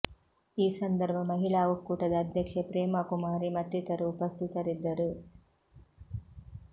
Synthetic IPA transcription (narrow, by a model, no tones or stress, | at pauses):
iːsɐnd̪ɐɾbʱɐmɐɦiɭaːʋukːuːʈɐd̪ɐːd̪ʱjɐkʂɐpɾeːmɐkumaːɾimɐt̪ːit̪ɐɾuːpɐst̪ʰit̪ɐɾid̪ːɐɾu